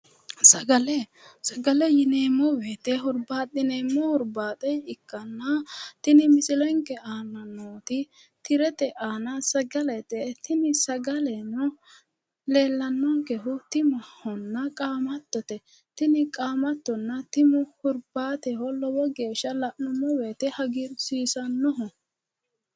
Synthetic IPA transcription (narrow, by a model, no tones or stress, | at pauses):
sɐɡɐlɛsɐɡɐlɛjɪneːmːɔweːt̪ɛɦʊɾbaːt̪ʼːɪneːmːɔhʊɾbaːt̪ʼɛjɪkːɐnːɐt̪ɪnɪmɪsɪlɔɪŋkɛaːnɐnoːt̪ɪ | t̪ɪɾɛt̪ɛʔaːnɐsɐɡɐlɛt̪ɛt̪ɪnɪsɐɡɐlɛnɔ | le̞ːlːɐnːɔŋkɛɦʊt̪ɪmɐhɔnːɐkʼaːmɐt̪ːɔt̪ɛ | t̪ɪnɪkʼaːmɐt̪ːɔnːɐt̪ɪmʊhʊɾbaːt̪ɛhɔlɔwɔɡe̞ːʃːɐlɐʔnʊmːɔweːt̪ɛhɐɡɪɾsiːsɐnːɔɦɔ